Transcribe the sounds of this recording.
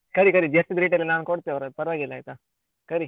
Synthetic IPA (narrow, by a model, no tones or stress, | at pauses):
kɐɾikɐɾid͡ʒɐst̪id̪ɾiːʈelinaːnkɔɽt̪eɔɾad̪̚pɐɾʋaːɡilːajt̪a | kɐɾi